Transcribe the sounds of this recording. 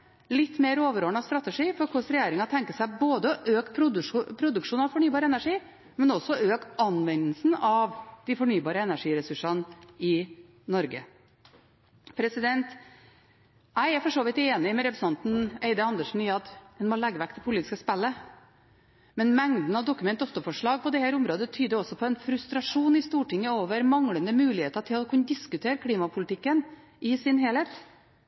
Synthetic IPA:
lɪt̪ːmeːɾoːʋəɾoːɳɑst̪ɾɑt̪əʂiːfɔɾkʰʊʂɾɛjeːɾɪŋɑt̪ʰɛŋkəsæɪboːd̪əɔʔøːkpʰɾʊpʰɾʊd̪ʉkʂuːnɑʋfɔɳyːbɑːɾəɛnæʂiː | mɛnɔsɔøːkɑnʋɛnəlsn̩ɑʋd̪̥ɪfɔɳyːbɑːɾəɛnæʂiːɾɛsʉʂɑnɪ | nɔɾɡə̰ | pʰɾɛsɪd̪ɛnt̪ | æɪæɾfɔʂoːʋɪt̪eːnɪmɛɾɛpɾəsɑnt̪n̩eɪd̪əɑnd̪əʂn̩jeːɑt̪hɛnmɔlɛɡːəʋækt̪ɛpʰʊliːt̪ɪskəspɛlːə | mɛnmɛŋd̪n̩ɑʋd̪ʊkːʉmɛnt̪ɔft̪əfɔʂɭɑːɡ̚pɔd̪ɛhæːɾʊmɾoːd̪ət̪ʰyːd̪əɔsɔpʰɔɛnfɾʉst̪ɾɑʂuːnɪst̪uːʈɪŋːəoːʋəɾmɑŋɽənəmʉːlɪheːt̪əʈʰɪlɔkʰʉnəd̪ɪskʉt̪ʰeːɾkʰɽiːmɑpʰʊlt̪ʰɪkːən | ɪsɪnɦeːlheːt̪

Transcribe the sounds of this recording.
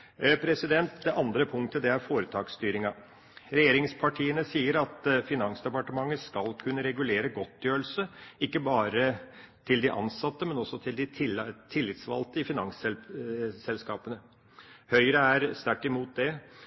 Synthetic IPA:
pʰɾɛsɪd̪ɛnt̪d̪ɛʔɑnd̪ɾəpʰʊŋt̪əd̪ɛæɾfoːɾət̪ʰɑːkst̪yːɾɪŋɑ | ɾɛjeːɾɪŋspʰɑʈʰiːənəsiːəɾɑt̪fɪnɑŋsd̪ɛpɑʈəmɑŋːəskɑlkʰʉnːəɾɛɡʉleːɾəɡɔt̪ːjøːl̩səɪkːəbɑːɾə | t̪ʰɪld̪ɪʔɑ̰nsɑt̪ːəmɛnɔsːɔt̪ʰɪld̪ɪt̪ʰɪlːɪt̪sʋɑ̰lt̪əɪfɪnɑŋsɛlsɛlskɑːpənə | hœʏɾəæɾst̪æʈːɪmuːt̪̚d̪ɛ

